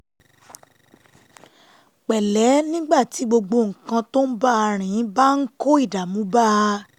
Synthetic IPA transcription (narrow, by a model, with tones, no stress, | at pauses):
k͡pɛ˨lɛ˨˦nĩ˦ɡ͡ba˦˨ti˨˦ɡ͡bo˧ɡ͡bo˧ŋ̩˨kã˧to˦n̩˦ba˦a˧ɾ̃ĩ˨˦ba˦n̩˦ko˦i˦˨da˨mũ˨˦ba˦˧